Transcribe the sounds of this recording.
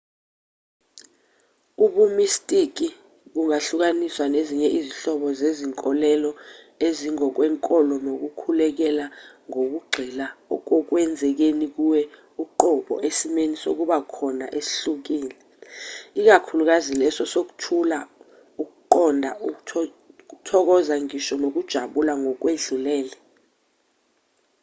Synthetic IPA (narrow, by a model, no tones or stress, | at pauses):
uɓumistʼik̬i | ɓuŋaɬuk̬aniswaneziɲɛʔiziɬɔɓɔzeziŋkʼɔlɛlɔ | eziŋɔk̬wɛːŋkʼɔlɔnok̬ukʰulɛk̬ɛlaŋok̬uɡ͡ǃʱɛlaɔ̰k̬ɔk̬wɛnd͡zʱɛk̬enik̬uwɛ | uǃɔɓɔ̰ʔesimeniso̰k̬uɓakʰɔna̰ʔesi̥ɬuk̬iːlɛ | ik̬akʰuluk̬azilɛsɔsok̬u̥tʰula | uk̬uǃɔndʱau | k̬utʰɔk̬ɔzaŋiʃɔnok̬ud̥ʒ̥ʱaɓulaŋɔk̬weɮulɛːlɛ